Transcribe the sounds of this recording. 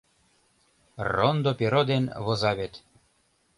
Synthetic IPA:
rond̪opeɾod̪enβozɑβet̪

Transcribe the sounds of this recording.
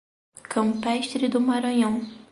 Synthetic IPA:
kʰɐ̃mpɛʃt̪ɾɪd̪ʊmaɾɐ̃ɲɐ̃w̃

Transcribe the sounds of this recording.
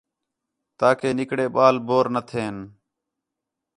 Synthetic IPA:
t̪aːkeːnɪkɽeːɓaːlboːɾnət̪ʰeːn

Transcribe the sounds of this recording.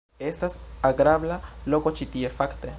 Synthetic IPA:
esasaɡɾaβlalokot͡ʃit̪iefakt̪e

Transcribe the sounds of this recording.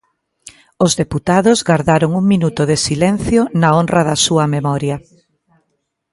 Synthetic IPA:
ʊzðeput̪aðʊzɣaɾðaɾoŋuŋminut̪ʊðesilɛn̟θjonaonrɐðɐsuɐmemɔɾjɐ

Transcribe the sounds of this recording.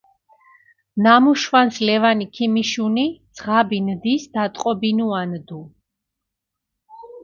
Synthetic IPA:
namuʃwanslɛvanikʰimiʃunid̪z̥ʁabind̪isd̪̥at̪ʼqʼɔbinuand̪u

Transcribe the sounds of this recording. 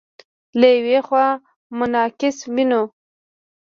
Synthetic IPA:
lajwexwɑ | mʊnɑkɪswino

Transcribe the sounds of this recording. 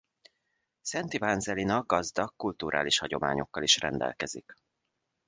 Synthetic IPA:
sɛnt̪ivanzɛlinɒɡɡɒzd̪ɒkːult̪uɾʔa̰ːliʃhɒɟo̞ma̰ːɲo̞̰kːɒliʃrɛ̰nd̪ɛ̰lkɛzik

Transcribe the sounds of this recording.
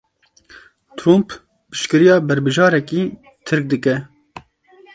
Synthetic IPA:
t̪ʰɾump | pɨ̥ʃkɨɾijɑːbɛɾbɨʒɑːɾɛki | t̪ʰɨɾk̚d̪ɨkɛ

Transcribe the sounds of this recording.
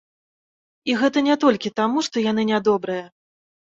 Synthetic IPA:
iɣɛt̪ɐnʲɛt̪ɔlʲkʲit̪amuʂt̪ɔjan̪ɨnʲad̪ɔbɾɨjɐ

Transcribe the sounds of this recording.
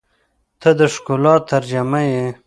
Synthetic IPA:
t̪ʰəd̪əʂkulɑtt̪ːaɾd͡ʒamaje

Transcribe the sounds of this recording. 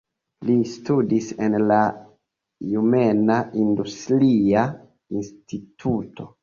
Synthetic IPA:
listudisenla | jumenaʔindustɾia | institʰuto̞

